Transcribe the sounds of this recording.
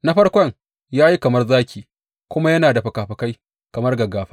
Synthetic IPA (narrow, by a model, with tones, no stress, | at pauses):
na˦ɸɐ˦rkʷɔ˦ŋ | jaː˦ji˦kɐ˨mɐ˦rzaː˦kʲiː˨ | kʷʊ˦ma˦jɐ˦naː˨da˨ɸɐ˨kaː˨ɸɐ˨ka˦j | kɐ˨mɐ˦rɡɐ˨ɡaː˨ɸa˦